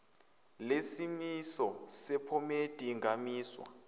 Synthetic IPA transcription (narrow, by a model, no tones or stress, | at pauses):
lesimisɔsɛpʰɔmetʼiŋamiːswa̰